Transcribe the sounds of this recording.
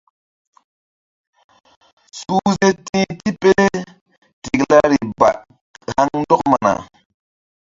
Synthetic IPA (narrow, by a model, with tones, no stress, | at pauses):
su˦ze˦tĩ˦ti˦pe˦ɾe˦ | ti˨kla˦ɾi˨ba̰˨t̚ | ha˦ŋn˦dɔ˦kma̰˨na̰˨